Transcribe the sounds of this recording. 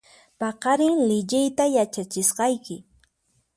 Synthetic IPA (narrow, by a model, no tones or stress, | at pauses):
pɑqɑɾɪŋlɪʎɪjt̪ajat͡ʃat͡ʃɪsqɑjkɪ